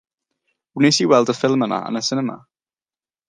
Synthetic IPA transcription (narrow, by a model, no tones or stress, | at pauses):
nesiwɛlˠdəfɪlˠməna̰ə̰nəsɪnɛma̰